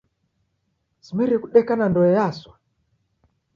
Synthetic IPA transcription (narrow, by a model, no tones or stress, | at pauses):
simɛɾɛkuɗɛkanandɔɛjaswa